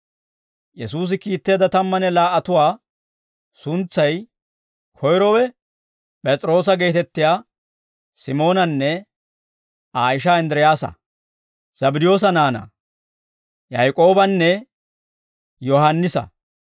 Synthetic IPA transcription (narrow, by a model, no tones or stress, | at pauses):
jɛsuːs̬ɪkiːt̪ːeːd̪ɐt̪ɐmːɐnɛlaːʔɐt̪ʊwaː | sʊnt͡sːɐj | kʰɔjɾɔwɛ | pʼɛt͡sʼɾo̞ːs̬ɐɡe̞ːt̪ɛt̪ːɪjaː | sɪmo̞ːnɐnːɛ | aːɪʃ̬aɪnd̪ɾɛjaːsɐ̰ | z̥ɐbɪd̪ɪjo̞ːs̬ɐnaːnɐ̰ | jɐjkʼo̞ːbɐnːɛ | jɔhɐnːɪsɐ̰